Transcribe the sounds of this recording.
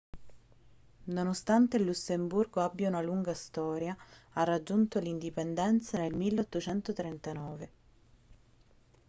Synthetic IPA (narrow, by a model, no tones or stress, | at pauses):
nonost̪ant̪elːusːemburɡoabjaunaluŋɡast̪ɔːɾjaarːad͡ʒːunt̪olind̪ipend̪ɛnt̪sanelmilːeɔt̪ːot͡ʃɛnt̪ot̪ɾent̪anɔːve